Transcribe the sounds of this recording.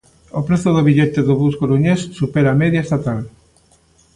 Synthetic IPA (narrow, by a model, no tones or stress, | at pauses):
opɾeθʊðoβiʎɛt̪eðoβuskoɾuɲesːupeɾameðjaest̪at̪al